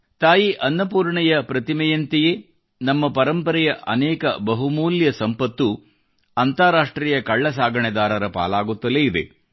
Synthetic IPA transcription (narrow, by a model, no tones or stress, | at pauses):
t̪aːjiʔɐnːɐpuːɾɳɛjɐpɾɐt̪imɛjɐnt̪ɛje | nɐmːɐpɐɾɐmpɐɾɛjɐʔɐnɛːkɐ̰bɐɦumuːljɐsɐmpɐt̪ːu | ɐnt̪aːɾaːʂʈɾiːjɐkɐɭːɐsaːɡɐɳɛd̪aːɾɐɾɐpa̰ːlaːɡut̪ːɐleːid̪ḛ